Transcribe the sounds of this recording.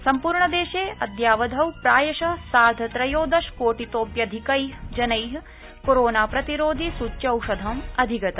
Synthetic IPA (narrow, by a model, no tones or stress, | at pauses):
sɐmpuːɾɳɐd̪eːʃeːʔɐd̪jaːʋɐd̪ʱɐwpɾaːjɐʃɐsaːɾd̪ʱɐt̪ɾɐjoːd̪ɐʃkoːʈit̪oːpjɐd̪ʱikɐjɦd͡ʒɐnɐjɦ | koɾoːnaːpɾɐt̪iɾoːd̪ʱisut͡ʃːjɐwʂɐd̪ʱɐmɐd̪ʱiɡɐt̪ɐ